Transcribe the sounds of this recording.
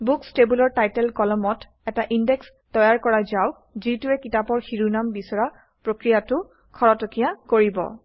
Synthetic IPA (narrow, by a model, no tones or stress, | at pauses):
bukstebulɔɹtajtɛlkɔlɔmɔt | ɛtaʔindɛks | tɔjaɹkɔɹazaw | zitʊɛkitapɔɹxiɹunambisɔɹa | pɹokɹijatʊ | kʰɔɹɔtɔkijakoɹibɔ̰